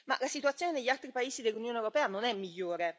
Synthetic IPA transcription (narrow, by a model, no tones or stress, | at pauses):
ma̰lasit̪uat̪sːjoːneneʎːialt̪ɾipaeːsid̪elːunjoːnewɾopɛːanonɛmːiʎːoːɾe